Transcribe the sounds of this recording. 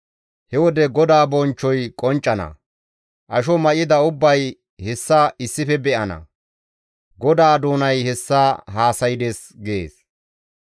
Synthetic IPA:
hɛwɔd̪ɛɡɔd̪aːbɔnt͡ʃːɔjkʼɔnt͡ʃʼːɐnɐ̰ | ʔɐʃɔmɐʔɪd̪ɐʊbːɐj | hɛsːaɪsːɪfɛbɛʔɐnɐ̰ | ɡɔd̪aːd̪oːnɐjhɛsːaːɦaːsɐjɪd̪eːs | ɡe̞̰ːs

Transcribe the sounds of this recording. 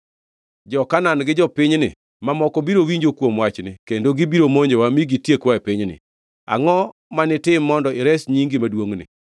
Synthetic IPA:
d͡ʒɔkananɡɪd͡ʒɔpɪɲnɪ̰ | mamɔkobiɾowiɲd͡ʒokwomwat͡ʃnɪkendoɡibiɾomoɲd͡ʒewamiɡitjekwaɛpɪɲnɪ̰ | a̰ŋɔ | manɪtɪmːɔndɔɪɾɛsɲiŋɡimadwoŋnɪ̰

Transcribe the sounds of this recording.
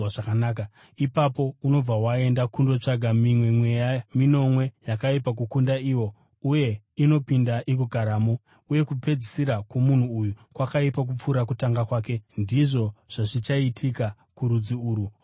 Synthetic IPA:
ʐakanaːka | ipapo̞uno̞b͡vawae̞ndakundo̞t͡ʂaɡʱamimwe̞mwe̞jamino̞mwe̞jakaipak̬ukundaiwo̞ | uje̞ | ino̞pindaʔik̬uɡʱaɾaːmo | uje̞kupe̞d͡zisiɾakomun̤uːjukwakaipak̬up͡fuɾak̬utaŋɡakwaːke̞ndiʐo̞ʐ̥aʐit͡ʃaitʰika | kuɾud͡ziuːɾu

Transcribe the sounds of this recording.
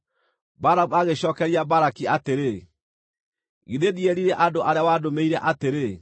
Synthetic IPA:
baɾabaɣeɕɔːkɛɾiabaɾakiateɾe | ɣiðeðieɾiɾeʔadoʔaɾeawadomeiɾɛʔateɾe

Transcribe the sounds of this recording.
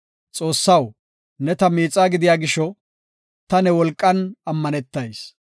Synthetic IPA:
t͡sʼo̞ːsːɐw | nɛt̪ɐmiːt͡sʼːaːɡɪd̪ɪjaːɡɪʃɔ | t̪ɐnɛwɔlkʼːɐnɐmːɐnɛt̪ːɐjs

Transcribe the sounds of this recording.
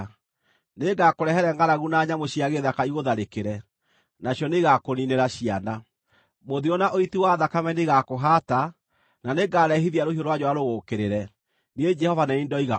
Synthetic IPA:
neɡakoɾɛɦɛɾɛŋɡaɾaɣunaɲamoɕiaɣeðakaiɣoðaɾekeɾɛ | naɕjɔneɣakonineɾaɕiana | moðiɔnaʔoitiwaðakamɛneɣakoɦata | naneɡaɾɛɦiðiaɾohiɔɾwad͡ʒɔwaɾoɣoːkeɾeɾɛ | ned͡ʒɛhɔvanɛniːndɔiɣa

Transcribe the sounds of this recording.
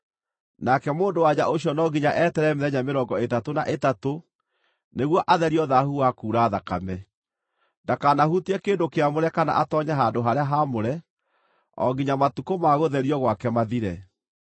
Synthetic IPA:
nakɛmoːndowad͡ʑaʔoɕjɔnɔːɡiɲaʔɛːtɛɾɛmeðɛɲameɾɔŋɡɔetatona̰ʔetato | neɣwɔʔaðɛɾiɔðahuakuːɾaːðaka̰mɛ | ndakanahutiɛkeːndokeamoɾɛkana̰ʔatɔɲaɦandoɦaɾeaɦamoɾɛ | ɔ̰ɡiɲamatukomaɣoðɛɾiɔɣwakɛmaðiɾɛ

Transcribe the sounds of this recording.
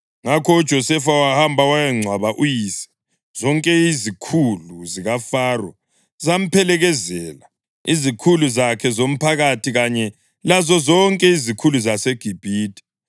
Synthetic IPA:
ŋakʰɔud̥ʒ̥ʱɔsɛfawahambʱawajɛŋ͡ǀʱwaβaʔujiːsɛ̥ | z̥ɔŋkʼɛizikʰuluziɣafaːrɔ̰ | zam̩pʰɛlɛɣɛzɛːla | izikʰuluzakʰɛzom̩pʰaɣatʰiɣaɲɛ | lazɔzɔŋkʼɛizikʰuluzaseɡ̥ʱib̥ʱiːtʼi̥

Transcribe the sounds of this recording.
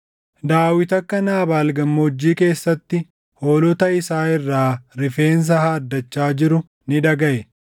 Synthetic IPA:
d̪aːwɪt̪ɐkːɐnaːbaːlɡɐmːɔɔd͡ʒːiːke̞ːsːɐt̪ːɪ | hoːlɔt̪ɐɪsaːɪrːaːɾɪfe̞ːns̬ɐhaːd̪ːɐt͡ʃːaːd͡ʒɪɾʊ | nɪᶑɐɡɐʔɛ

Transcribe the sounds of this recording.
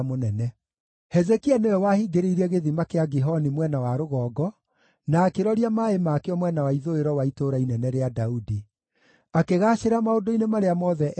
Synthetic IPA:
monɛnɛ | hɛzɛkianewɛwahiɡeɾeiɾɛɣeðimakeaɡeɦɔnimwɛnawaɾoɣɔːɡɔ | naːkeɾɔɾiamaemaːkeɔmwɛnawaiðoeɾɔwaitoɾainɛnɛɾeadaudi | akeɣaʃeɾamaodoinemaɾeamɔːðɛʔ

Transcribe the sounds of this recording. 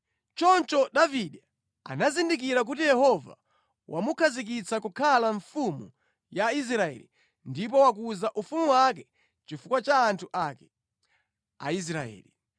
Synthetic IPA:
t͡ʃɔnt͡ʃɔɗaviɗa | a̰nazindik̬iɾak̬utijɛhɔva̰ | wʔamukʰazik̬it͡sakukʰalaɱfumu | jais̬ɾaɛ̰lḭ | ndip̬ɔwak̬uzaʔufumuwak̬ɛ | t͡ʃifukwat͡ʃaːntʰuʔakɛ̥ | ais̬ɾaɛ̰ːli

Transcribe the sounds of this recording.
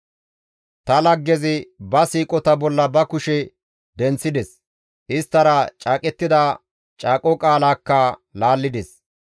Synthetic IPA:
t̪ɐlɐɡːɛzɪbɐsiːkʼɔt̪ɐbɔlːɐbɐkʊʃɛ | d̪ɛnt͡sːɪd̪ɛs | ʔɪst̪ːɐɾɐt͡ʃʼaːkʼɛt̪ːɪd̪ɐ | t͡ʃʼaːkʼɔkʼaːlaːkːɐlaːlːɪd̪ɛs

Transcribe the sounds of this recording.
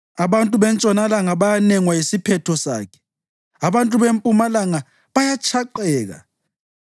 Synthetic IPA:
aβantʼuβɛnt͡ʃʼɔnalaŋaβajanɛŋwajisipʰɛtʰɔsa̰ːkʰɛ̥ | aβantʼuβempʼumalaŋa | βajat͡ʃʰaǃɛːɣa̰

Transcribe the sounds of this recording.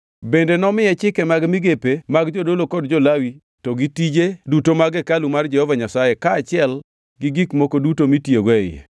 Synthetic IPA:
bendenɔmɪjɛt͡ʃɪkɛmaɡmɪɡepemaɡd͡ʒodolokɔdd͡ʒɔlawi | tɔɡitid͡ʒedutomaɡɛkalumard͡ʒɛhɔvaɲasajekaːt͡ʃɪɛl | ɡɪɡikmokodutomitjeɡɔɛjɛ̰

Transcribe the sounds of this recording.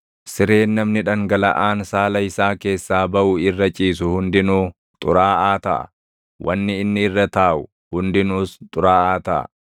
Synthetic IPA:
sɪɾeːnːɐmnɪᶑɐŋɡɐlɐ̰ʔaːnsaːlɐɪsaːke̞ːsːaːbɐʔʊɪrːɐt͡ʃʼiːsʊhʊnd̪ɪnuː | t̪ʼʊɾaːaːt̪ɐ̰ʔɐ̰ | wʔɐ̰nːɪɪnːɪɪrːɐt̪aːʔʊ | hʊnd̪ɪnuːst̪ʼʊɾaːaːt̪ɐʔɐ̰

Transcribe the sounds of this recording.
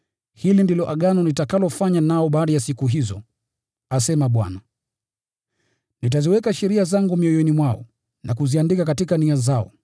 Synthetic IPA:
hilindilɔʔaɠanɔnitakalɔfaɲanaɔɓaːɗajasikuɦizɔ | asɛmaɓwa̰na | nit̬aziwɛkaʃɛɾiazaŋɡumiɔjɔnimwaɔ̰ | nʔakuziandikakatikaniazaɔ̰

